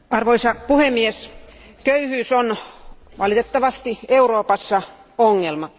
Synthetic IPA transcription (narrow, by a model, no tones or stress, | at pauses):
ɑrʋoisɑpuhemːies | køyhyːsonʋɑlit̪et̪ːɑʋɑst̪ieuroːpɑsːɑ | oŋːelmɑ